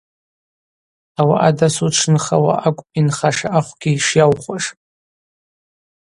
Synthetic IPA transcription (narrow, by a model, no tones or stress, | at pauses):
awa̰ʔadasuʈ͡ʂʰnχawa̰ʔakʷʼpʼinχaʂaʔaχʷɡ̥ʲiʂjawχʷaʂʼ